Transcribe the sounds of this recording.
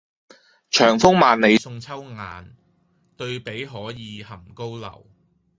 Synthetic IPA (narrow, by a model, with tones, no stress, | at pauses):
t͡ʃʰœː˨˩ŋfʊ˥ŋmaː˨nne˨˧jsʊ˧ŋt͡sʰɐ˥wŋaː˨n | t̪ɵ˧ɥpe˨˥jɦɔː˨˥jiː˨˧hɐ˨˩mko˥wlɐ̰˨˩w